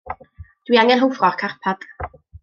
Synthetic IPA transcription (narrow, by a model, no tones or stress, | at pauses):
d̥wiaŋɛnɦowfrɔrkʰarpʰad̥